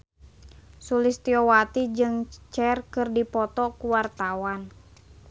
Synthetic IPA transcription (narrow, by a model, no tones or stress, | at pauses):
sulɪst̪iɔwat̪id͡ʒɨŋt͡ʃɛrkɨrdipɔt̪ɔkuwart̪awan